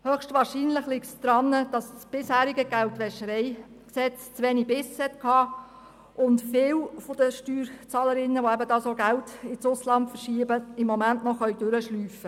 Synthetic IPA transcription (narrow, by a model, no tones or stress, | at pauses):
høχʃtʋɑːɾʃiːnlɪχlɪktsd̪̥ɾɑnːəd̥ɑssb̥ɪshæːɾiɡəɡ̥æltʋɛʃəɾɛɪ | ksɛt͡st͡sʋɛnibɪshɛtkʰɑː | ʔʊntfɪwfod̥əʃtyːɾt͡sɑːləɾɪnːəʋoɛbədɑːsoɡæltɪt͡sʊslɑntfəɾʃiːbəɪmːɔmæntnɔχœɥd̥øɾəʃlyːfə